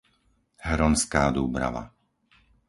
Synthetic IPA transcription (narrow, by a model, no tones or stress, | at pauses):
hɾɔnskaːd̪uːbɾa̰ʋa̰